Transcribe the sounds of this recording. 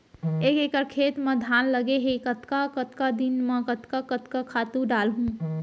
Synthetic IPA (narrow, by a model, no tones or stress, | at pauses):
ekekəɾkʰet̪med̪ʱanləɡeɦekət̪kakət̪kad̪inmẽkət̪kakət̪kakʰat̪uɖalɦũ